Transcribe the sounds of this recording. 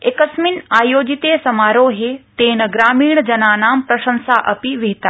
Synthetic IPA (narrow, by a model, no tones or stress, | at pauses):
ekəsminaːjoːd͡ʒit̪eːsɐmaːɾoːɦet̪eːnɐɡɾaːmiːɳd͡ʒɐnaːnaːmpɾɐʃə̃nsaʔɐpiʋiɦit̪aː